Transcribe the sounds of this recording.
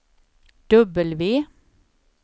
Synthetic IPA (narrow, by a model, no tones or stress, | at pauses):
d̪̥œbəlʋiː